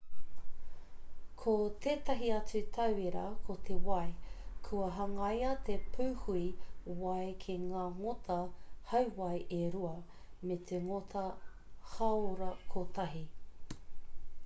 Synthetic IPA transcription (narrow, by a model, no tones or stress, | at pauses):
kʰot̪ʰeːtɐɦiɐt͡sʉt̪ʰɐweɾɐ̰kʰot̪ʰewɐjkʰuɐɦɐŋɐjɐt̪epʰuːhuiwɐjkʰeŋaːŋotʰɐhɐwwɐjʔeɾuɐ | met̪ʰeŋot̪ʰɐ | hɐoɾɐkʰot̪ɐɦi